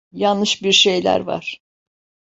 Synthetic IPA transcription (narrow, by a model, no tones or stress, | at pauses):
janːɯʃbiɾʃe̞jlʲæ̰ɾva̰ɾ̥